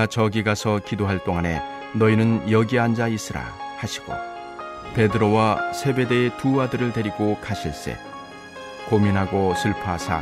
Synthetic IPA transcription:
at͡ɕʌɡiɡasʰʌkidoɦaɭt͈oŋane̞̰ | nʌinɯnjʌɡiɦand͡ʑais͈ɯɾa̰haɕʰi̥ɡ̥o̰ | pe̞dɯɾowasʰe̞be̞deːtuadɯɾɯɭte̞ɾiɡokaɕʰiɭs͈ḛ | kominɦaɡosʰɯɭpʰaɦasʰa̰

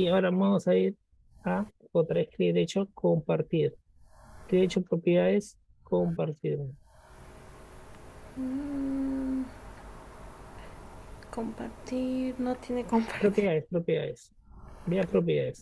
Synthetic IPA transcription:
iaoɾamamosaiɾ | apod̪ɾehkɾiɾet͡ʃokompaɾt̪iɾ | kɾiet͡ʃopɾopjaðes | kompaɾt̪iɾ | kompaɾt̪iɾnot̪enekomppɾopjaespɾopja̰es | biapɾop̬jaðes

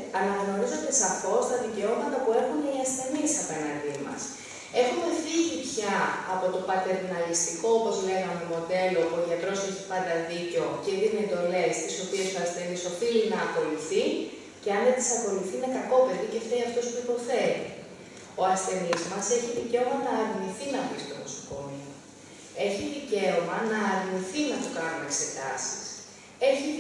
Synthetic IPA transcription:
ɐnɐɣno̞ɾizot̪esɐfo̞st̪ɐðice̞o̞mɐt̪ɐpue̞xuniɐsθe̞nisɐpe̞nɐnd̪imɐ̰s | e̞xume̞fiʝipçɐːpo̞t̪o̞pɐt̪e̞ɾnɐlist̪iko̞opo̞zle̞ɣɐmemo̞d̪e̞lo̞puo̞ʝɐt̪ɾo̞se̞çi̥pɐnd̪ɐðiceo̞ciðinie̞nd̪o̞le̞st̪iso̞pie̞soɐsθeniso̞filinɐːko̞luθi | ceɐnðet̪isɐko̞luθinɐkɐko̞pe̞vice̞θeiɐft̪o̞spuipo̞θeɾḭ | o̞ɐsθe̞nizmɐse̞çiðice̞omɐnɐːɾniθinɐpist̪omoso̥ko̞nio | e̞çiðice̞omɐnɐːɾniθinɐt̪okɐnunekse̞t̪ɐ̰si̥s | e̞çi

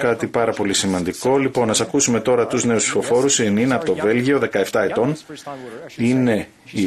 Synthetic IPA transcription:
kɐt̪ipɐɾɐpo̞lisimɐnd̪iko̞lipo̞nɐsɐkusume̞t̪o̞ɾɐt̪uzne̞uspsi̥fo̞fo̞ɾusininɐpot̪ove̞lʝio̞ðe̞kɐe̞ft̪ɐe̞t̪o̞n | ine̞ | i

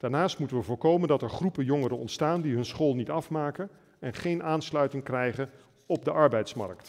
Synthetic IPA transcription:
d̥aːɹnaːstmutənʋəvʊːɹkowməndɑtɛɹχrupəjɔŋəɾənɔ̰ntstaːndiɦɵnsχoːlˠnitɑfmaːkən | ɛnχejnʔaːnslœɥtɪŋkrɛjχən | ɔb̚dəʔɑɹbɛjtsmɑ̰rkt

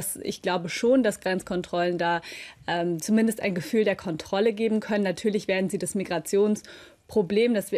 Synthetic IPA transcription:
sʔɪ̰çɡ̥laʊbəʃoːnd̥asɡ̥ʁɛnt͡skʰɔntʁ̥ɔləndaːʔɛːmt͡sumɪndəstʔa̰ɪnɡəfyːldeːɐkʰɔntʁ̥ɔləɡeːbm̩kʰœnənːatʰyːɐlɪçv̥eːɐdn̩ziːdasmiɡʁat͡sjoːns | pʁ̥obleːmdasv̥i

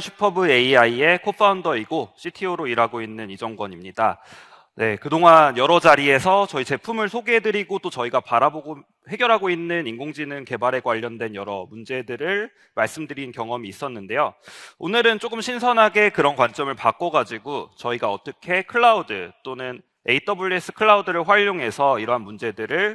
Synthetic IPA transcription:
ɕʰi̥pʰʌbɯe̞iaie̞kʰopʰaundʌiɡoɕʰitʰioɾoiɾaɡoinːɯnid͡ʑʌŋɡʌɲimɲida | ne̞kɯdoŋanjʌɾʌd͡ʑaɾie̞sʰʌt͡ɕʌit͡ɕe̞pʰumɯɭsʰoɡeɦedɯɾiɡot͈ot͡ɕʌiɡapaɾaboɡo | he̞ɡjʌɾɦaɡoinːɯninɡoŋd͡ʑinɯnke̞baɾe̞ɡwaʎːʌndwe̞njʌɾʌmund͡ʑe̞dɯɾɯɭ | maɭs͈ɯmdɯɾinkjʌŋʌmiːs͈ʌnːɯnde̞joonɯɾɯnt͡ɕ͈oɡɯmɕʰinsʰʌnɦaɡe̞kɯɾʌnkwant͡ɕ͈ʌmɯɭpak͈ʌɡad͡ʑiɡot͡ɕʌiɡaʌt͈ʌkʰe̞kʰɯɭːaudɯt͈onɯn | e̞it͈ʌbuɭːes͈ʰɯ̥kʰɯɭːaudɯɾɯɭɸwaʎːoŋɦe̞sʰʌiɾʌɦanmund͡ʑe̞dɯɾɯɭ

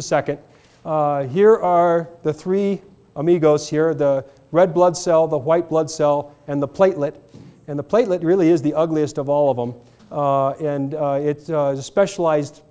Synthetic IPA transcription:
sɛkɨ̃nd̥̚ | ɦiɹʔə˞ðɨθɹi | əmiɡoʊz̥hiɹðə | ɹɛd̚blʌdsɛlˠðəwaɪt̚b̥lʌdsɛlˠɨ̃nðəpʰl̥eɪtˡlɨɾɨ̃nðəpʰl̥eɪtˡlɨt̚ɹɪlˠiɨzðiʔʌɡliɨstʌvɔlˠʌvə̃m | ɨ̃nɪtspɛʃəl̩aɪzd̥

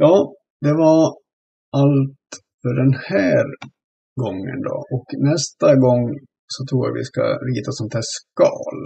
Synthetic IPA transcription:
jɑː | d̪ɛva | ʔalt̪ | fœɖɛnhæːɾ | ɡɔŋːə̰nd̪ɔ̰ʔɔknɛst̪aɡɔŋː | sɔt̪ʰɾuːja̰vɪ̰ska̰ɾiːt̪asɔnt̪ʰhæːʂkɑ̰ːl

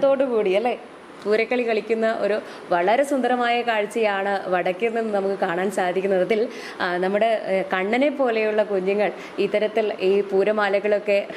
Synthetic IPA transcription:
ðo̞ːɽɨkuːɽiɐlːe | puːɾɐkːɐɭikɐɭikʲːunːɐʔo̞ɾu | ʋɐɭɐɾesund̪ɐɾɐmaːjɐkaːɻt͡ɕːɐjaːɳɨʋɐɽɐkʲːunːenːɨnɐmukːɨkaːɳaːnsaːd̪ʱikʲːunːɐðɐðil | nɐmːuɽe̞kɐɳːɐne̞pːo̞ːle̞juɭːɐkuɲːuŋːɐɭ | it̪ːɐɾɐt̪ːiliːpuːɾɐmaːlɐɣɐɭo̞kːe̞

